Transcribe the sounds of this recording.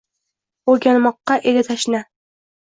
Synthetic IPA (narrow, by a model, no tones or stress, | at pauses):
oɡʲanmɒqːɑʔeɡʲat̪ʰaʃna